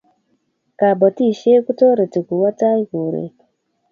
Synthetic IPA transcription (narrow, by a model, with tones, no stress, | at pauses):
ka˨bo˨ti˦˨ʃe˦ku˦to˦ɾe˨ti˨ku˨wa˦ta˦i˦ku˨ɾḛ˨